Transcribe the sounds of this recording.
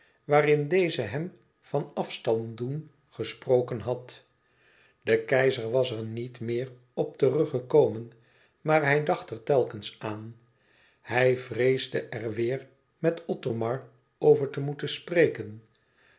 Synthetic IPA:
ʋaːrɪndejzəɦɛm | v̥ɑnɑfstɑndun | χəsprowkənɦɑt | d̥əkɛjzəɹʋɑsɛɹnitmɪːr | ɔp̚tərɵχəkowmən | maːɹɦɛjdɑχtɛɹtɛlˠkənsaːn | hɛjvrejzdəʔɛrʋɪːɹ | mɛtɔtomɑɹ | owvəɹtəmutənsprejkən

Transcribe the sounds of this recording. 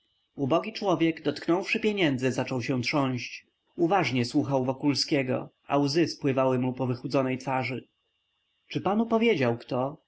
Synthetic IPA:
ubɔɡʲit͡ʂwɔvʲjɛɡd̪ɔt̪knɔ̃wfʂɘpʲjɛɲɛnd̪zɘzat͡ʂɔwɕɛtʂɔɲ̃ɕt͡ɕ | uvaʐɲɛswuxawvɔkulskʲɛɡɔ̰ʔa̰wzɘspwɘvawɘmupɔvɘxud̪zɔnɛjt̪faʐɘ | t͡ʂɘpanupɔvʲjɛd͡ʑawkt̪ɔ

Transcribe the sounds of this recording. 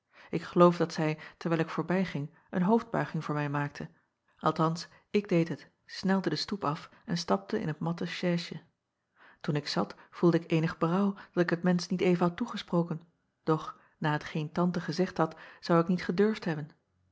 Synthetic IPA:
ʔɪkχəlowfdɑtsɛjtəɹʋɛɪjlˠɪkfʊːɹbɛjχɪŋ | ʔə̰nɦowfd̚bœ̰ɥχɪŋvʊːɹmɛjmaːk̚tʰə | ʔɑ̰lˠtɑns | ɪɡ̚dejtɦət | snɛlˠdədəstupɑf | ɛnstɑp̚təɪ̰nɦət̚mɑtəʃɛːʃə | tunɪksɑtfulˠdəɪkejnəχbərɑwd̥ɑtɪkɦətmɛnsnitejvənɦɑtuχəsproːwkən | d̥ɔχ | naːɦətχejntɑntəχəzɛχtɦɑtsɑwɪknitχədøɹftɦɛbən

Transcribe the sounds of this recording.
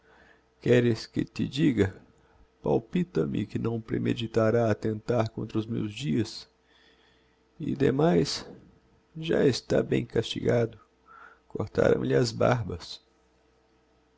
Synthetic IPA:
kɛɾɪskɪt̪ɪd͡ʒiɡɐ | pawpit̪ɐmɪkɪnɐ̃w̃pɾemed͡ʒit̪aɾaːt̪ẽnt̪aɾkõnt̪ɾɐʊzmewzd͡ʒiɐs | ɪd̪emajs | ʒaest̪abẽj̃kast͡ʃiɡad̪ʊ | koɾt̪a̰ɾɐ̰̃w̃lɪazba̰ɾbɐs

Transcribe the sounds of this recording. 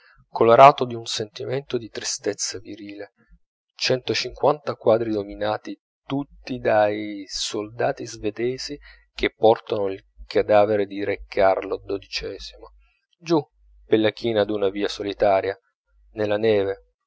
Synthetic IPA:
koloɾaːt̪od̪iunsent̪iment̪od̪it̪ɾist̪et̪sːaviɾiːle | t͡ʃɛnt̪ot͡ʃiŋkwant̪akwaːd̪ɾid̪ominaːt̪i | t̪ut̪ːid̪ajsold̪aːt̪izved̪ɛːzi | k̟epːɔrt̪anoilkʰad̪aːveɾed̪iɾekʰːarlod̪od̪it͡ʃɛːz̥imo | d͡ʒu | pelːakʰiːnad̪unaviːasolit̪aːɾja | nelːanɛːve

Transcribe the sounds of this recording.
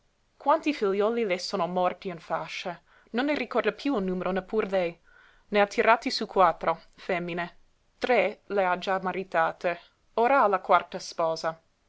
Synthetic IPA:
kwant̪ifiljɔːlilesoːnomɔrt̪iinfaʃːa | nonlːerikɔrd̪apjuulnuːmeɾʔonepʰːuːɾlɛj | neat̪ʰːiɾat̪isukwat̪ːɾofɛmːine | t̪ɾelead͡ʒamaɾit̪aːt̪e | oːɾaalakwart̪aspɔːza

